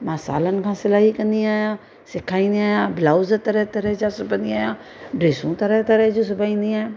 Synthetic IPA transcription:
maːsa̰ːlənkʰãːsɪlaːɦikə̃nd̪iaːjãː | sɪkʰaːĩnd̪iaːjãːblaːzət̪əɾɛt̪əɾɛd͡ʒaːsʊbə̃nd̪iaːjãː | ɖeːsũːt̪əɾɛt̪əɾɛɦd͡ʒuːs̬ʊbaːĩːnd̪iaːẽ

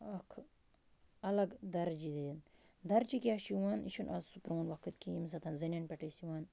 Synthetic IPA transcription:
ɐkʰ | ɐlɐɡd̪ɐɾd͡ʒid̪eːn | d̪ɐɾt͡ʃikʲaːʃiʋaːnḭʃʰunʔɐ̰zsupɾoːnʋɐkʰɨt̪kims̬ɐt̪ʰɐnzɐnʲɐnpʲɛʈɐsiwaːn

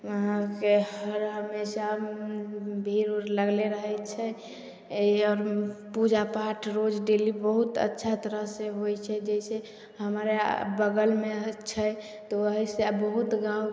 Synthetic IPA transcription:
ɦkeɦəɾɦəmesa | bʱiɾləɡleɾəɦɛt͡ʃʰɛ | ɔːɾpud͡ʒapaʈʰɾod͡ʒɖelibəɦut̪ə̰tːʃʰat̪əɾəɦseɦojt͡ʃʰɛd͡ʒɛise | həmɾebəɡəlmet͡ʃʰɛ | t̪oəɦisebəɦut̪ɡã

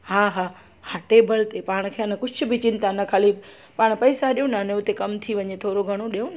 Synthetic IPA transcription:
haːɦaː | haːʈebəlt̪epaːɽ̃kʰeɐnəkʊt͡ʃʰʊ̆bʱɪt͡ɕɪn̆t̪anɐkʰaːlib | paːɽ̃pɐːsaɗijõnaneot̪ekɐmt̪ʰiʋɐɲet̪ʰoːɾoɡʱɐɽ̃oɗijõn

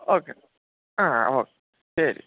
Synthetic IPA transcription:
oke | aoke | seɾi

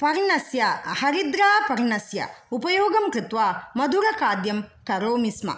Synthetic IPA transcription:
pɐɾɳɐsjɐhɐɾid̪ɾaːpɐɾɳɐsjɐ̰upɐjoːɡɐmkɾɨt̪ʋaːmɐd̪uɾɐkaːd̪jɐmkɐɾoːmismɐ̰

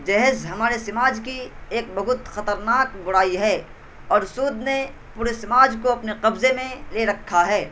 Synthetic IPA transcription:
d͡ʒɛɦzɦɐmaːɾesɪmaːd͡ʒkieːk̚bɐɦʊt̪xɐt̪əɾnaːkɡʊɽaːiɦɛː | ɔːɾsuːd̪ne | puːɾesɪmaːd͡ʒkoɐpneqɐbzemẽleɾɐkʰːaɦɛː

